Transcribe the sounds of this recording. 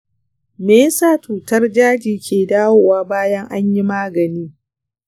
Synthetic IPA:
meː˦saː˦t͡ʃuː˨tɐ˦rd͡ʒaː˦d͡ʒiː˨kʲeː˨daː˦woː˨waː˦baː˦jɐ˦ŋʔa˦ɲji˦maː˦ɡɐ˨niː˦

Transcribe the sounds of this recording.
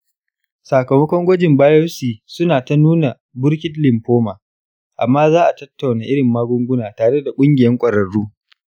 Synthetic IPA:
saː˨kɐ˨mɐ˦kʷɔ˦ŋɡʷɔ˦d͡ʒɪ˨mbaː˦jɔ˦siː˨sʊ˦naː˨ta˦nuː˦na˨ | bʊ˦ɽkʲɪ˦tlɪ˨mɸoː˦maː˨ | ʔa˨mːaː˦zaː˦ʔa˨tɐ˦tːa˨wnaː˨ʔɪ˦ɽɪ˨mːaː˦ɡʷʊ˦ŋɡʷʊ˦naː˨taː˨ɽe˦da˨kʷʼʊ˦ŋɡʲɪ˨jɐ˦ŋkʷʼɐ˨ɽɐ˨ɽːuː˦

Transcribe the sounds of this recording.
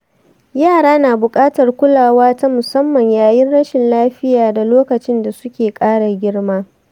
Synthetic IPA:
jaː˦˨ɽaː˦naː˨bʊ˨kʼaː˦tɐ˨rkʷʊ˦laː˨waː˦ta˦mʊ˨sɐ˦mːɐ˨ɲjaː˨jɪ˦nɽɐ˦ʃɪ˨nlaː˦ɸɪ˦jaː˨da˨loː˦kɐ˨t͡ʃɪ˦nda˨sʊ˦kʲeː˨kʼaː˦ɽa˨ɡʲɪ˦ɽmaː˦

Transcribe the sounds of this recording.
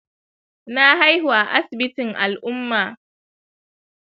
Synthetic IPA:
na˦ɦa˦jhu˨a˨ʔa˦sbɪ˦tɪ˨ŋʔa˨lʔʊ˦mːa˨

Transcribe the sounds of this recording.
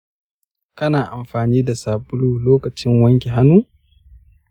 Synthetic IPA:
kɐ˦naː˨ʔa˨mɸaː˨niː˦da˨saː˨bʊ˦luː˨loː˦kɐ˨t͡ʃɪ˦ŋwɐ˦ŋkʲe˨ɦa˦nuː˦

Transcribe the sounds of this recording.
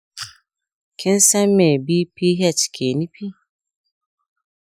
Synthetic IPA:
kʰɪ˦n̩˦sa˦m˦me˨bi˦pi˦ɦɛ˦˨t͡ʃkʰe˨ni˦pʰi˦

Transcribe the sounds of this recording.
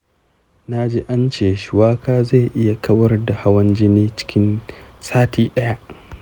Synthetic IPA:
na˦d͡ʒeː˦ʔa˦nt͡ʃeː˨ʃɪ˨waː˦kaː˦za˦˨jʔɪ˦ja˨kʰɐ˦wɐ˦rda˨ha˦wɐ˦nd͡ʒi˦neː˦t͡ʃɪ̥˦kʲɪ˦nsaː˦tʰiː˦ɗɐ˦ja˦ʔ

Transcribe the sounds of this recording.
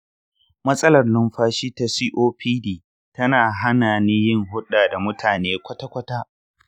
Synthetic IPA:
mɐ˦sʼɐ˦lɐ˨rnʊ˦mɸaː˦ʃiː˦ta˨siː˦ʔoː˦ɸʰiː˦diː˦˨ | tɐ˦naː˨ɦa˦naː˨ni˦jɪ˦ŋɦʊ˦ɗaː˨da˨mʊ˦tʰaː˨neː˦kʷɐ˦ta˦kʷɐ˦taː˦ʔ

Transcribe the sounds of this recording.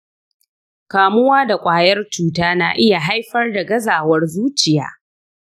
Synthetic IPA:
kaː˨mʊ˦waː˦da˨kʷʼaː˨jɐ˦rt͡ʃuː˦taː˦na̰ː˨ʔɪ˦ja˨ɦa˦jɸɐ˦rda˨ɡɐ˦zaː˨wɐ˦rzuː˦t͡ʃɪ˨ja̰ː˦

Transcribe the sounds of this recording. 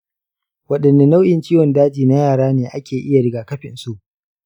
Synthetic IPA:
wɐ˦ɗɐ˨nːa˦na˦wjɪ˨nt͡ʃiː˦wɔ˨ndaː˦d͡ʒiː˨na˦jaː˨ɽaː˦neː˨ʔa˦kʲʰeː˨ʔɪ˦ja˨ɽɪ˨ɡaː˨kɐ˦ɸɪ˨nsu˦ʔ

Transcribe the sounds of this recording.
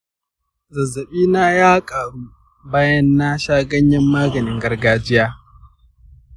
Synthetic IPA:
zɐ˨zːɐ˨ɓiː˦naː˦jaː˦kʼaː˨ɽuː˦ | baː˦jɐ˦nːa˦ʃaː˦ɡɐ˦ɲjɐ˦mːaː˦ɡɐ˨nɪ˦ŋɡɐ˦rɡaː˦d͡ʒɪ˦jaː˦

